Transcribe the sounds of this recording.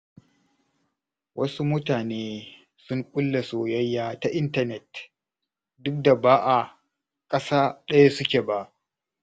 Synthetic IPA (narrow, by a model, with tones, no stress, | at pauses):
wɐ˦su˦mʊ˦taː˨neː˦ | sʊ˦ŋkʼʊ˦lːe˨soː˨jɐ˦jːaː˦ta˨ʔɪ˦ntɐ˦˨nɛ˨t | dʊ˦k̚da˨baː˦ʔa˨ | kʼɐ˦saː˦ɗɐ˦ja˦sʊ˦kʲeː˨ba˦ʔ